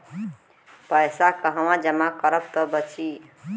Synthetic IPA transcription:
pəjsakʌɦəwãd͡ʒəmakʌɾʌp̚t̪ʌbət͡ʃʰi

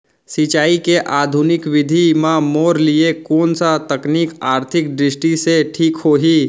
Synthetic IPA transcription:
sit͡ʃaːikeʔaːd̪ʱunɪkʋɪd̪ʱimãmoːɾliekoːnsat̪əknikaːɾt̪ʰɪk̚ɖɾɪsʈiseʈʰiːkhoːɦiː

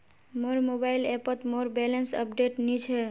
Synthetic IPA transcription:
moɾmobailepət̪moɾbelensə̰p̚ɖeʈnit͡ʃʰe

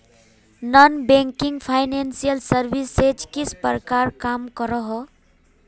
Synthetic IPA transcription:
nɔnbẽŋkiŋɡpʰajnensijəlsəɾbised͡ʒkispɾəkaɾkamkəɾɔɦɔ

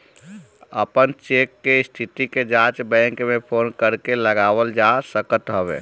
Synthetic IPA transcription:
ə̰pənt͡ʃekːeɪst̪ʰit̪iked͡ʒãt͡ʃbɛ̃ŋkmẽpʰoːnkəɾkeləɡaʋəld͡ʒasəkət̪ɦəʋḛ

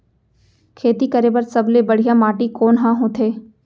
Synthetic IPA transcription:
kʰeːt̪ikəɾebəɾsɐblebəɽ̤ijamaːʈikoːnɦãɦõt̪ʰeː

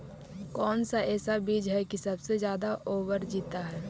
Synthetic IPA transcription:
kɔːnsaʔɛːsabiːd͡ʒɦɛkisɐbsezjaːd̪aʔoːwəɾd͡ʒiːt̪aɦɛː

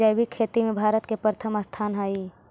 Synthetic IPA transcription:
ajbikʰeːt̪imẽbʱaːɾət̪kepɾət̪ʰəməst̪ʰaːnɦəi

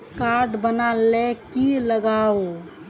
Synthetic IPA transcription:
kaɾɖbənalekiləɡao

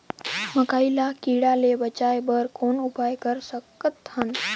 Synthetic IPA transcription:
məkailakiɽalebət͡ʃajbəɾkoːnupajkəɾsəkːət̪ən

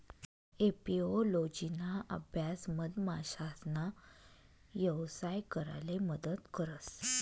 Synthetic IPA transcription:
epiolod͡ʑinaʔə̰bʱjasməd̪maɕasna | jəwsajkəɾa̰leməd̪ət̪kəɾəs

